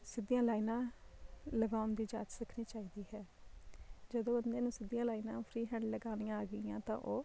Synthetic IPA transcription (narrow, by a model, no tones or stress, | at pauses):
sɪd̪ijãːlaːiːnãː | ləɡaːʊnd̪iːd͡ʒa̰ːt̪səkʰniːt͡ʃaːiːd̪iːɦɛː | d͡ʒəd̪õːbənd̪eːnũːsɪd̪ijãːlaːiːnãːpʰɾiːɦɛ̃ːɳɖləɡaːnijãaːɡəɪjã̰ːt̪ã̰ːʔoː